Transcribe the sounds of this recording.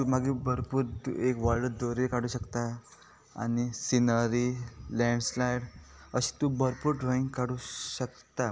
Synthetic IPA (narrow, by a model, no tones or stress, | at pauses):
umaɡibəɾpuːɾekʋalɖd̪oɾikaɽ̤uːɕəkt̪a | a̰nisinəɾilɛ̃ɳɖslajɽ | əɕi̥t̪ubəɾpuːɾɖɾoĩŋɡkaɽuːɕək | t̪a